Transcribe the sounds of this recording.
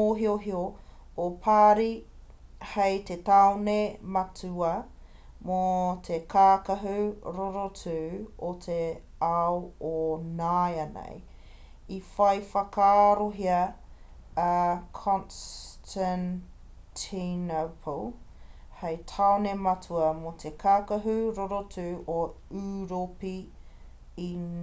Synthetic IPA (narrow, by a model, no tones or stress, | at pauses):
oɦioɦioː | pʰaːɾi | hejt̪et̪aonemɐtʉɐ | mot̪ʰekʰaːkɐɦuɾoɾot͡sʉːot̪ʰe | aoonajɐnḛj | ifɐjfɐkaːɾoɦiɐ | kʰɔnstʰan | tʰinopʰlˠ | hejtʰaonemɐtʰuɐmot̪ʰekʰaːkɐɦuɾoɾotʉːʔoʉɾopi | i